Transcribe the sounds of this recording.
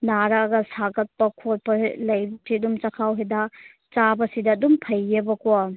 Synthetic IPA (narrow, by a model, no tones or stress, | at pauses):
naɾɐɐɡɐsaɡɐt̚pɐkʰot̚pɐlɐjbɐsiɐdumt͡ʃɐkʰawɦedɐ | t͡ʃabɐsidɐːdumpʰɐjːebɐko